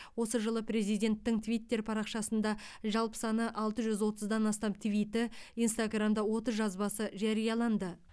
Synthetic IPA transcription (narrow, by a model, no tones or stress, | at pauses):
wo̞səʒəlˠəpɾe̞zijd̪ʲe̞nt̪ːɪŋt̪ʰvijt̪ːe̞ɾpʰɑɾɑqʃɑsənd̪ɑ | ʒɑlˠpə̥sɑnəʔɑlˠt̪əʒʏzwo̞t̪əzd̪ɑnɑst̪ɑmt̪ʰvijt̪ɪijnst̪aɡramd̪ɑwo̞t̪əzʒɑzbɑsəʒɑɾijɑlˠɑnd̪ə